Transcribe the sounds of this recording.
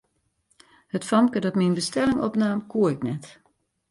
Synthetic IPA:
hətfɔmkədɔtminbəstɛlɪŋɔpnaːmkuəɪknɛt

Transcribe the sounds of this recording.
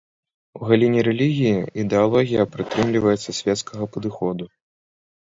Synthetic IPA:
uɣalʲinʲiɾɛlʲiɣʲijiʔid̪ɛalˠɔɣʲijɐpɾɨt̪ɾɨmlʲivɐjɛt̪sːɐsʲvʲɛt̪skʰɐɣɐpɐd̪ɨxɔd̪u

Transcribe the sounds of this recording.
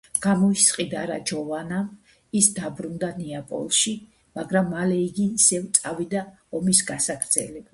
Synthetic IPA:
ɡ̥amɔisqʼid̪a̰ɾa̰d͡ʒɔvanam | isd̪abɾund̪aniapʼɔ̰lˠʃi | maɡɾamːalɛiɡiːsɛvt̪sʼavid̪a | ɔmisɡasakʰɾd̪zɛ̰lɛb̥a

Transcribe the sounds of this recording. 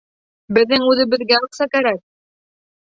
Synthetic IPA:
bɘ̆ðːɘŋʉðɘ̆bɘ̆ðɡæuqsɑkæɾæk̚

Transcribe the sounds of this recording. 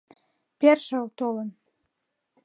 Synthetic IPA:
perʃəlt̪olən

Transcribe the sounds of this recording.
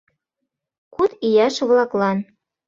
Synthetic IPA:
kut̪ijɑʃβlɑklˠɑn

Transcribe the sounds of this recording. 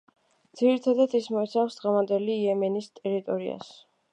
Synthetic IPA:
md̪ziɾit̪ʰad̪ad̪ismɔit̪sʰafsd̪̥ʁɛvand̪ɛliːɛmɛnist̪ʼɛɾit̪ʼɔɾḭa̰s

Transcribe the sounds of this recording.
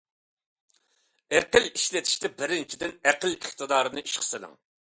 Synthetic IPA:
eqɪliʃlɛt̪ʰi̥ʃt̪ɛbɪɾɪnt͡ʃʰid̪ɪnæqəliχt̪ɨd̪ɑːɾɨnɨiʃqʰə̥sɪlɪ̰ŋ

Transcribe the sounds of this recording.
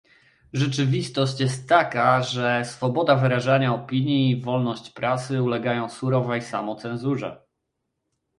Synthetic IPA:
ʐɛt͡ʂɘvʲist̪ɔɕt͡ɕjɛst̪ːakaʐɛsfɔbɔd̪avɘɾaʐaɲaɔpʲiɲjiːvɔlnɔɕt͡ɕpɾʔat̪sɘulɛɡajɔ̃w̃suɾɔvɛjsa̰mɔt̪sɛnzuʐɛ̰

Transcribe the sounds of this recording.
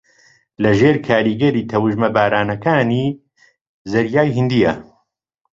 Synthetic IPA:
lɐʒeːɾkʰaːɾiɡɐɾiːt̪ʰɐwɨʒmɐbaːɾaːnɐkaːni | zɐɾjaːjɦɨnd̪ijɐ

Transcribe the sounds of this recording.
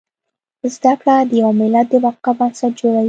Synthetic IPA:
zd̪akɽad̪əjawamɪlad̪̚ːəwaqabansad͡ʒoɽa

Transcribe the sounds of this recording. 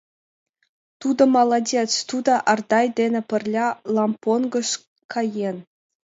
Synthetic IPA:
t̪ud̪ɤ̆mɑlˠɑdʲet͡st̪ud̪ɑʔɑrd̪ɑjd̪ʲenʲĕpʲɘ̆rʲlʲɑlˠɑmponɡɤ̆ʂ | kʰɑjen

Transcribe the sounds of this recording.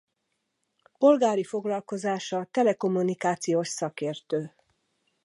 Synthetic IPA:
po̞lɡaːɾifo̞ɡlɒlko̞zaːʃɒt̪ɛlɛko̞mːunikaːt̪sijoːʃsɒkeːrt̪øː

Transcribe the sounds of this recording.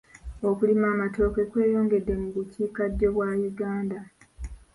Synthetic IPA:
o̞kulimaːmato̞ːke̞kwe̞ːjoːŋɡe̞dːe̞muβuciːkaɟːo̞βwajuɡaːnda

